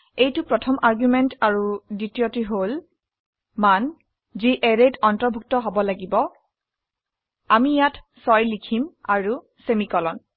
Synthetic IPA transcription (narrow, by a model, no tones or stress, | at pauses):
ejtʊpɹɔtʰɔmʔaɹɡjumɛntaɹuditijotiɦol | man | ziʔɛɹetɔntɔɹbʱuk̚tɔɦobɔlaɡibɔ | amijatsɔjlikʰimaɹu | semikɔlɔn